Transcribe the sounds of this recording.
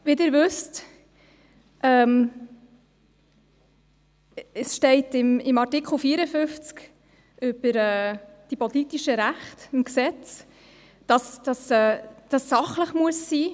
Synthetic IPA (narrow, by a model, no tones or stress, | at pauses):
ʋidɪːɾʋʏst | ʔɛːm | əsʃtɛɪtɪmɪmɑɾtikχl̩ˠfiːəɾəfʏft͡sk | ʔʏb̥əɾɛːd̥ipɔlitiʃəɾæχtɪmksɛt͡s | d̥ɑsd̥ɑsɛːd̥ɑsːɑχləχmuəsːiː